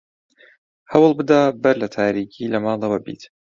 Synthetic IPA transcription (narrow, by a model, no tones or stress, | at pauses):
hɐwlˠbɨd̪abɐɾlɐt̪ʰaːɾiːkʰiːlɐmaːlˤɑwabḭːt̪